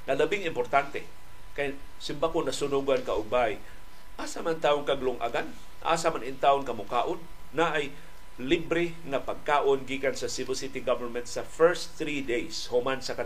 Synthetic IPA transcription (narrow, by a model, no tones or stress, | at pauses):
ŋalabɪŋɪmpoɾt̪ant̪e | kaj | sɪmbakonasʊnʊɡankaʔʊɡ̚baʔj | ʔaːsamant̪aːʊŋkaɡlʊŋʔa̰ɡan | ʔa̰samanɪnt̪aːʔʊŋkamʊkaːʔonː | aʔaj | libɾɪ | ŋapaɡ̚kaːʔonɡiːkansasɪbɪsɪt̪iɡavəɹmɛnt̪safɛɹsθɾid̪ejshomansaka